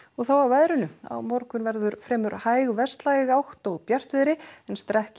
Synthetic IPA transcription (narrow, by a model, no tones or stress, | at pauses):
ɔɣθawawvajðɾɪnʏa̰wmɔɾkʏnvɛɾðʏɾfɾɛːmʏɾhaːjɣvɛst̪laːjɣawht̪ɔɣpjar̥t̪vɪðɾɪɛnst̪ɾɛhc